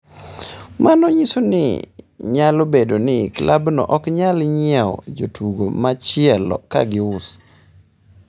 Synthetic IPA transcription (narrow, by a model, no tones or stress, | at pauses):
mʔanɔɲisonɪ̰ɲalobedonɪklʔabnɔ̰ʔɔkɲalɲɪɛɔ̰d͡ʒotʰuɡomat͡ʃɪɛlɔ̰ka̰ɡɪʊs